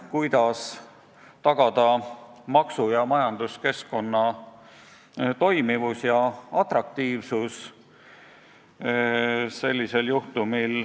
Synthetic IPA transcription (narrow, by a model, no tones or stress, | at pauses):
kujd̪̥ɑs | t̪ɑɡ̥ɑd̪̥ɑmɑksujɑmɑjɑnd̪̥uske̞sko̞nːɑ | t̪o̞jmivusjɑɑt̪rɑk̚t̪iːvsus | se̞lʲːise̞ljuht̪umil